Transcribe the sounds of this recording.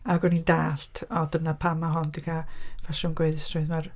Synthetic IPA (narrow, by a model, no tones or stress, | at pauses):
aɡɔnindaːɬtʰɔdənapʰamaɦɔndikʰavaʃɔnɡweðɪstrʊɨðmar